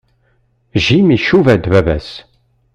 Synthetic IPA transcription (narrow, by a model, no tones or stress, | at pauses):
ʒimiʃuvæd̪vævæ̰s